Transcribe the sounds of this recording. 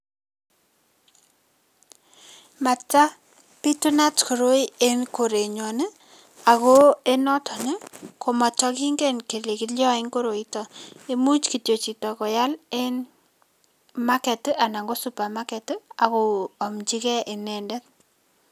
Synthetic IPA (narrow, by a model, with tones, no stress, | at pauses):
ma˨tːa˦ | pi˦tu˦na˦tko˨ɾo˦i˦e˦mko˨ɾe˨ɲɔ˨ne˦ | a˨ko˦e˦nɔ˦tʰɔ˨nə˦ko˨mɔ˨t͡ʃɔ˦ki˦ŋɡe˦nke˨le˨ki˨ljɔ˦ɪ˦ŋko˦ɾo˨i˦tɔ˨e˦mu˦t͡ʃki˨tjo˨t͡ʃi˨tɔ˨ko˨ja˦le˦n | ma˦kɛ˨tʔa˨na˨ŋɡo˦su˨˦pa˨ma˦kɛ˨ta˨ko˨ɔ˨mt͡ʃi˦kɛ˦ʔe˨nɛ˨ndɛ˦t̚